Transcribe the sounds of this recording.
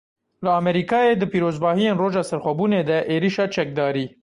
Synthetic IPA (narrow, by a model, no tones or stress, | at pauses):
ləɑːmɛɾiːkɑːjeːd̪ɨpiːɾoːzbɑːhijeːnroːʒɑːsɛɾxʷɛbuːneːd̪ɛʔeːɾiʃɑːt͡ʃɛk̚d̪ɑːɾiː